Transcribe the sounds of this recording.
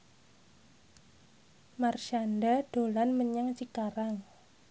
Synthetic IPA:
marʃanɖaɖ̥o̤lanməɲaŋt͡ʃikaɾaŋ

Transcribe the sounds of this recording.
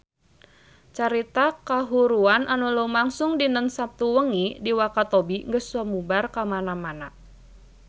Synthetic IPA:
t͡ʃaɾit̪akaɦuɾuanʔanulumaŋsʊŋdinəŋsap̚t̪uwəŋidiwakat̪obiŋɡəsɔmubarkamanamana

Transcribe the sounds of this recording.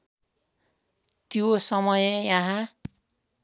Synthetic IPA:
t̪josʌmʌjejaɦã

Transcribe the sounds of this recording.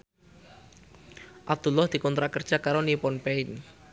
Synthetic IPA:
ʔab̚d̪̥ulːɔhd̪̥i̤kɔnt̪ɾakərd̥ʒ̥akaɾonipɔnpeɪn

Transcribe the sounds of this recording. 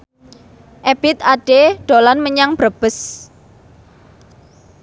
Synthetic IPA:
ʔeb̥ɪt̪aɖ̥eɖ̥o̤lanməɲaŋb̥ɾəb̥əs

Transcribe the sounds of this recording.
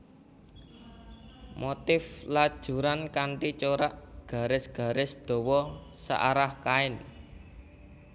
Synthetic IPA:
mot̪ɪflad̥ʒ̥ṳɾankaɳʈit͡ʃoɾaʔɡ̥a̤ɾɪsɡ̥a̤ɾɪsd̪̥ɔ̤wɔsa̰ʔaɾahkaɪn

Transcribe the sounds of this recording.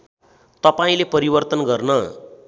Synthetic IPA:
t̪ʌpaĩlepʌɾibʌrt̪ʌnɡʌrnʌ

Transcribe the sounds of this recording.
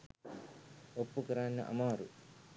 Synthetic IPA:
opːukɐɾaːnːɐ̰ʔɐ̰maːɾṵ

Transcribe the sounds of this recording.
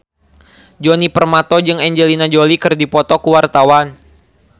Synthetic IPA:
d͡ʒɔnipərmat̪ɔd͡ʒɨŋɛɲd͡ʒəlinad͡ʒolikɨrdipɔt̪ɔkuwart̪awan

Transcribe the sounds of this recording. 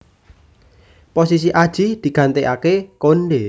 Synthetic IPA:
posis̬iʔad̥ʒ̥id̪̥i̤ɡ̥a̤nt̪eʔakekonɖe

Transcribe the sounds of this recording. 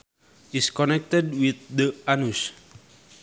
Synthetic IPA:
iskɔnɛk̚t̪ɛdwiθ̚d̪əanus

